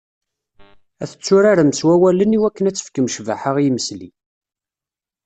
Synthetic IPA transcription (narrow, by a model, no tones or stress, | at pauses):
æθə̥t͡sːʊɾaɾəməswæwæləniwækːənæt͡sːə̥fkəmʃva̰ħəʁijməslḭ